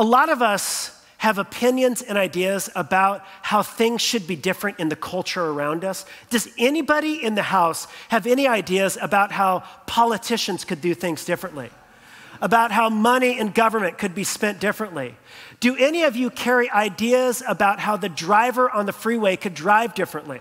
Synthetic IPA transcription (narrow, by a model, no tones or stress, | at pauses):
əlɔɾʌvʌs | hɨvəpʰɪ̃njɨ̃nzɨ̃ñaɪdiɨzəbaʊt̚haʊθɪ̃ŋz̥ʃɨd̚bidɪfɹɨ̃ntɨ̃nðɨkʰʌlˠt͡ʃə˞ə˞ãʊ̃ndʌsd̥ʌzɛnibɑɾiɪ̃nðɨhaʊshɨvɛñiaɪdiɨzɨbaʊt̚ɦaʊpʰɑlˠətʰɪʃɨ̃nz̥kɨdɨθɪ̃ŋzdɪfɹɨ̃nʔlḭ | əbaʊt̚ɦaʊmʌniɨ̃nɡʌvə˞mɨ̃nkʰɨd̚bispɛ̃nd̥ɪfɹɨ̃nʔli | d̥ɨɛniʌvjɨkʰɛɹiʔaɪdiɨzəbaʊt̚ɦaʊðɨdɹaɪvə˞ʔə̃nðɨfɹiweɪkʰɨdɹaɪvdɪfɹɨ̃nʔlḭ